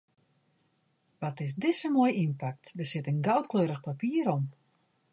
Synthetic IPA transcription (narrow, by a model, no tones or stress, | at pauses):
ʋɔtɪs̬dɪsəmoəjinpak̚tdərsɪtənɡawtkløːɾəxpapiəɾɔm